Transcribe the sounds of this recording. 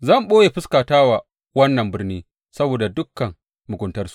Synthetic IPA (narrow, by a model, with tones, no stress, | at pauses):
zɐ˦˨mɓoː˦jeː˨ɸɪ˦skaː˨taː˦waː˨ | wɐ˦nːɐ˨mbɪ˦rniː˦ | sɐ˦boː˨da˨dʊ˦kːɐ˨ŋ | mʊ˨ɡʷʊ˨ntɐ˦rsu̥˨ʔ